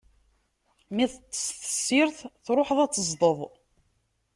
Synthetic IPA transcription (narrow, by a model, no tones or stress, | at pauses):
miθət͡sːə̥sθə̥sːiɾθθɾˤoħəðˤæt͡sːəzˤd̪ˤəðˤ